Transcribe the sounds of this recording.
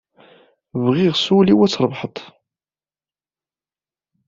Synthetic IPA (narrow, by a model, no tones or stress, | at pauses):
vʁiʁsuliwæt͡sːɾˤvħət̪ˤ